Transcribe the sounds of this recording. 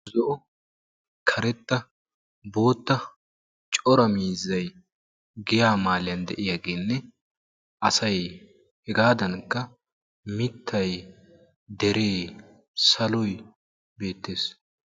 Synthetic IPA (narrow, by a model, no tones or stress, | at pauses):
zɔʔɔ | kʰɐɾɛt̪ːɐ | bo̞ːt̪ːɐ | t͡ʃʼɔɾɐmiːzːɐj | ɡɪjaːmaːlɪjɐnd̪ɛʔɪjaɡeːnːɛ | ʔɐsɐj | hɛɡaːd̪ɐnkːɐ | mɪt̪ʰːɐj | d̪ɛɾeː | sɐlɔj | be̞ːt̪ːe̞ːs